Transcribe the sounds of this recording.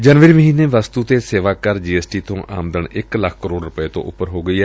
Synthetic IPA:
d͡ʒənʋəɾiːməɦiːneːʋəst̪uːt̪eːseːʋaːkəɾd͡ʒiːɛːsʈiːt̪õːʔa̰ːmd̪əɳɪkləkʰkəɾoːɖɾʊpəeːt̪õ̰ːʔʊpːəɾɦoːɡəiːɛː

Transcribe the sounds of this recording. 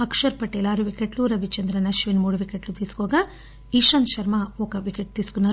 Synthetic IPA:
ɐkʂɐɾpɐʈːelaːɾuʋikeʈluɾɐʋit͡ʃɐnd̪ɾɐnɐʃʋinmuːɽɐʋikeʈlut̪iːskoːɡɐ | iʃɐnʃɐɾmɐoːkɐʋikeʈ̚t̪iskunːɐ

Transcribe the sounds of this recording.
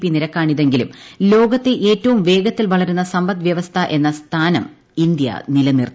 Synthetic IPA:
pːiniɾɐkːaːɳiðe̞ŋɡilumlo̞ːɡɐt̪ːeʔe̞ːtːɐʋumʋe̞ːɡɐt̪ːilʋɐɭɐɾunːɐsɐmbɐt̪ʋjɐʋɐst̪ʰɐʔe̞nːɐst̪ʰaːnɐm | ind̪jɐ̰nilɐnir

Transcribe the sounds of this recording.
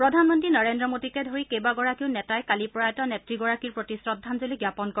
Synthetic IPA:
pɹɔdʱanmɔntɹinɔɹendɹɔmotikɛdʱoɹikejbaɡɔɹakiʊnɛtajkalipɔɹaɛtɔnetɹiɡɔɹakiɹpɹotisɹɔdʱːanzoliɡjapɔnkɔ

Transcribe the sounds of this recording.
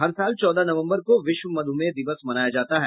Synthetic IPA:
ɦɐɾsaːlt͡ʃɔːd̪anɐʋə̃mbəɾkoʋɪʃʋəmɐd̪ʱumẽd̪ɪʋəsmɐnaːjad͡ʒaːt̪aɦɛː

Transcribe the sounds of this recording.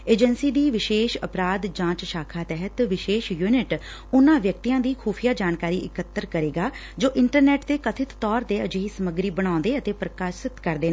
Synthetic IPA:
eːd͡ʒənsiːd̪iːʋɪʃeːʃəpɾaːd̪d͡ʒãːt͡ʃʃaːkʰaːt̪ɛɦət̪ʋɪʃeːʃjuːnɪʈ | ʊnãːʋjək̚t̪iːjãːd̪iːkʰuːpʰijaːd͡ʒaːnkaːɾiːʔɪkət̪ːəɾkəɾeːɡaː | d͡ʒoːʔɪɳʈəɾnɛːʈt̪eːkət̪ʰɪt̪ːɔːɾt̪eːəd͡ʒɦiːsəməɡɾiːbəɽ̃ãːnd̪eːət̪eːpɾəkaːsɪt̪kəɾd̪eːnː

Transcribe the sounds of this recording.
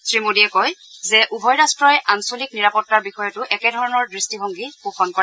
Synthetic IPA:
sɹimodiɛkɔjzɛʔubʱɔjɹastɹɔjʔansolikniɹapɔtːaɹbixɔjɔtʊʔɛkɛdʱɔɹɔnɔɹdɹistiɦoŋɡipuxʰɔnkɔɹɛ

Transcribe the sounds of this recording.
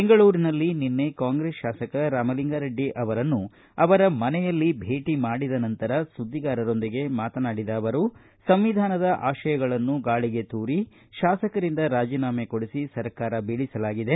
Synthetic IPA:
beŋɡɐɭuːɾinɐlːininːe̞kaːŋɡɾeːsʃaːsɐkɐɾaːmɐliŋɡaːɾɐɖːiʔɐʋɐɾɐnːu | ɐʋɐɾɐmɐnɛjɐlːibʱe̞ːʈimaːɽid̪ɐnɐnt̪ɐɾɐsud̪ːiɡaːɾɐɾo̞nd̪iɡe̞maːt̪ɐnaːɽid̪ɐːʋɐɾu | sɐmʋid̪ʱaːnɐd̪ɐʔaːʃɐjɐɡɐɭɐnːuɡaːɭiɡe̞t̪uːɾi | ʃaːsɐkɐɾind̪ɐɾaːd͡ʒiːnaːmekoɽisisɐɾkaːɾɐbiːɭisɐlaːɡid̪e̞

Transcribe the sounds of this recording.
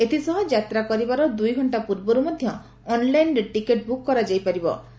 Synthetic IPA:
et̪ʰisɔɦɔd͡ʒat̪ɾakɔɾibaɾɔd̪ujɡʱɔɳʈapuɾbɔɾumɔd̪ʱjɔː | nlajnʈikeʈ̚bukːɔɾad͡ʒajpaɾibɔ̰

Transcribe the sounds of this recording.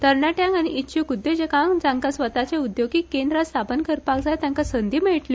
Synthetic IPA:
t̪əɾɳaʈjãŋɡañiʔitːɕʰikud̪ːed͡ʑekaŋd͡zaŋkasʋət̪at͡ɕeud̪joɡikend̪ɾast̪ʰapənkəɾpakd͡zajt̪jãŋkasənd̪iːmeɭʈli

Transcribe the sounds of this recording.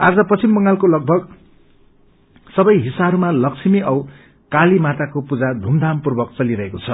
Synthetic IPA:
ad͡zʌpʌt͡sʰimbʌŋɡalkolʌɡ̚bʱʌɡ | sʌbʌjɦisaɦʌɾumalʌksʰimiʔʌw | kalimat̪akopud͡zad̪ʱumd̪ʱampurbʌkt͡sʌliɾʌɦekot͡sʰʌ

